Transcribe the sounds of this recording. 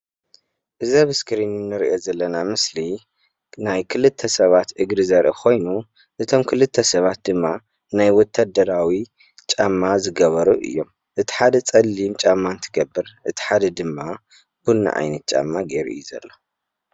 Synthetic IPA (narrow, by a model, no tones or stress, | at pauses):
ʔɨzaβɨskɨɾinɨnːɨɾḭʔo̞zɐlːɐnamɨsli | najkʰɨlɨt̪ʰːɐsɐβat̪ʔɨɡɾɨzɐɾʔɨ̰kʰo̞jnu | ʔɨt̪ʰo̞mkʰɨlɨt̪ʰːɐsɐβat̪̚d̪ɨmːa | najwɔt̪ʰːad̪ɐɾawi | t͡ʃʼamːazɨɡɐβɐɾuʔɨ̰jːo̞m | ʔɨt̪ʰi̥ħad̪ɐt͡sʼɐlːimt͡ʃʼamːant̪ʰɨɡɐbːɨɾʔɨt̪ʰi̥ħad̪ɐd̪ɨmːa | b̥ulna̰ʔa̰jnɐt̪̚t͡ʃʼa̰mːaɡeɾḭɨ̰jːuzɐ̰lːo